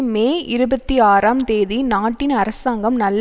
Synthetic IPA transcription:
meːʔɪɾɯbɐt̪ːiaːɾaːmt̪eːðinaːʈːɪnɐɾɐsaːŋɡɐmnɐlː

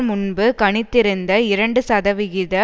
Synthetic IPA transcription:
mʊnbɯkɐɳɪt̪ːɪɾɯnd̪ɐɪɾɐɳɖɯsɐðɐʋɪɣɪðɐ

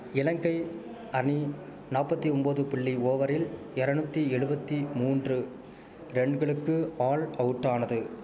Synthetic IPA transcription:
ɪlɐŋɡɐɪ | ɐɳi | naːpːɐt̪ːiɔmboːðɯpɪɭːioːʋɐɾɪl | ɪɾɐnɯt̪ːiɛɻɯbɐt̪ːimuːndrɯ | ɾɛɳɡɐɭɯkːɯaːlɐwɯʈːaːnɐðɯ

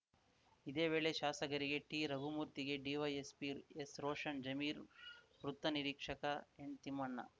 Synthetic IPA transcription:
id̪eːʋe̞ːɭeʃaːsɐɡɐɾiɡe̞ʈiɾɐbʱumuːɾt̪iɡe̞ɖiːʋɐjespiesɾoːʂɐɳd͡ʒɐmiːɾʋɾut̪ːɐniɾiːkʂɐkɐeɳt̪imɐɳːɐ̰

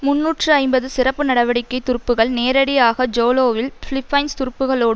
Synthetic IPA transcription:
mʊnːuːʈrɯɐɪmbɐðɯsɪrɐpːɯnɐɽɐʋɐɽɪkːɐɪt̪ːʊɾɯpːɯɣɐɭneːɾɐɽɪjaːɣɐd͡ʒoːloːʋɪlfɭɪfɐɪnst̪ʊɾʊpːɯɣɐɭoːɽɯ

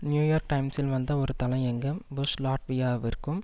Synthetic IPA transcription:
njuːjaːɾk̚ʈɐɪmsɪlʋɐnd̪ɐɔɾɯt̪ɐlɐ̃ɪ̃ɛŋɡɐmbʊslaːʈʋijaːʋɪɾɯkːɯm

